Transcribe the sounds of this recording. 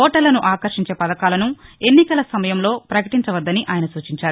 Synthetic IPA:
ɔːʈɐlːɐnuʔaːkɐɾʂiɲt͡ʃe̞ːpɐd̪ɐkaːlɐnue̞nːikɐlɐsɐmɐjɐmlo̞ːpɾɐkɐʈiɲt͡ʃɐʋɐd̪ːɐniʔaːjɐnɐsuːt͡ʃiɲt͡ʃaːɾu

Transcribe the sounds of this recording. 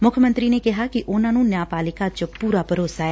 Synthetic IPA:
mʊkʰəmə̃nt̪ɾineːkɪɦaːkiʔʊnãːnũːnjaːpaːlɪkat͡ʃpuːɾaːpəɾoːsaːɛː

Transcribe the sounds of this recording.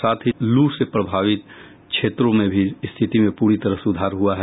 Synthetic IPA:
saːt̪ʰɦiluːsepɾəbʱaːʋɪt̪̚ | kʃʰeːt̪ɾõmẽbʱist̪ʰɪt̪imẽpuːɾit̪əɾəɦsʊd̪ʱaːɾɦuaɦɛ

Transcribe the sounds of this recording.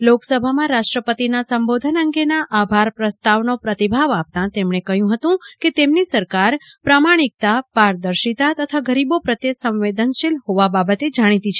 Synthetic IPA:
loksəbʱamãɾaʃʈɾəpət̪inasəmbod̪ʱənəŋɡenaʔabʱaɾpɾəst̪aʋnopɾət̪ibʱaʋap̚t̪ãt̪emɳ̃ekəɦjũɦət̪ũket̪emnisəɾkaɾpɾamaɽ̃ik̚t̪apaɾd̪əɾʃit̪at̪ət̪ʰaɡəɾibopɾət̪esə̃mʋed̪ənʃɪlɦoʋababət̪ed͡ʒaɽ̃it̪ĩt͡ʃʰe

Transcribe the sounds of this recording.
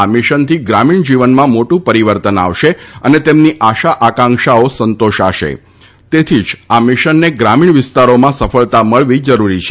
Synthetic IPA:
amɪʃənt̪ʰiɡɾamiɳd͡ʒiʋənmãmoʈũpəɾiʋəɾt̪əna̰ʋʃeənet̪emniʔaʃaʔakãŋkʃaosənt̪oʃaʃḛ | t̪et̪ʰid͡ʒamɪʃənːeɡɾamiɳʋɪst̪aɾomãsəfəɭt̪aməɭʋid͡ʒəɾuɾit͡ʃʰe

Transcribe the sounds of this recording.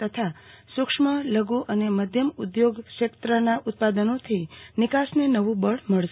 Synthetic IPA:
t̪ət̪ʰa | sʊkʂmələɡuʔəneməd̪ʱjəmud̪joɡʃekt̪ɾənaʔʊt̪̚pad̪ənot̪ʰinɪkasnenəʋũbəɽməɭʃ

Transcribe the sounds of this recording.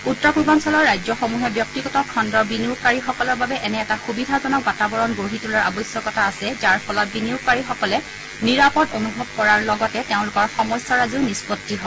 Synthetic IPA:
utːɔkubɔnsɔlɔɹːajzɔxomuɦɛbjɔk̚tiɡɔtɔkʰɔndɔɹbiniʊkːaɹixɔkɔlɔɹbabɛʔɛnɛːtaxubidʱaɔnɔkbatabɔɹɔnɡoɹitulɔɹabɔjsjɔkɔtʰaːsɛzaɹpʰɔlɔt̚biniʊkːaɹixɔkɔlɛ | niɹapɔdonubʱɔb̚kɔɹaɹlɔɡɔtɛteʊ̃lʊkɔɹxɔmɔsɔɹaziʊnispɔtːiɦɔ

